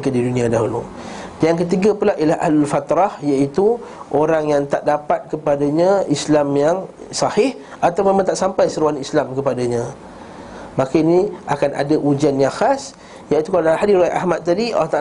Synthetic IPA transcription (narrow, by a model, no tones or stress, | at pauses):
kadidunĩadaɦulu | dajaŋkət̪̬iɡapulaʔijalahʔa̰hlalfat̪ɾɑhjait̪uʔoɾaŋjaŋt̪aʔdapat̪̚kəpadaɲãislamjaŋ | sɑhɪh | at̪awmːʊmemãnt̪aʔsampajsəɾuanislamkəpadaɲã | mãkainia̰kana̰daʔud͡ʒanjaxas | jait̪ukalahadiɾoaʔa̰hmat̪̚tːadio̰t̪a